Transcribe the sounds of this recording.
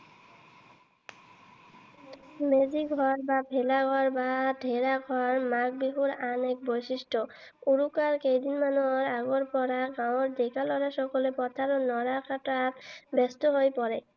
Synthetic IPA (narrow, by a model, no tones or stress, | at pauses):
med͡ʑiɡʱɔɾbabʱelaɡʱɔɾbaɖʱeɾaɡʱɔɾmak̚biɦuɾanek̚bojsiʃʈʰo | uɾukaɾkejd̪inmanoɾaɡoɾpɔɾaɡãw̃oɾd̪ekalɔɾaʃɔkolepɔt̪ʰaɾonɔɾakaʈatbɛst̪oɦojpɔɾe